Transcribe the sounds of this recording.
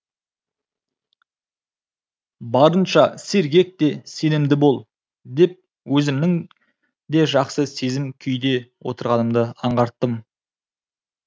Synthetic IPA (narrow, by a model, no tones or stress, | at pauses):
bɑɾənʃɑse̞ɾɡʲe̞k̚t̪e̞se̞nɪmd̪ɪbo̞lˠ | d̪e̞p̚ | wɵzɪmnɪŋ | d̪e̞ʒɑqsəse̞zɪmkʲʰʏjd̪e̞wo̞̰t̪əɾʁɑnəmd̪əɑɴʁɑɾt̪ːəm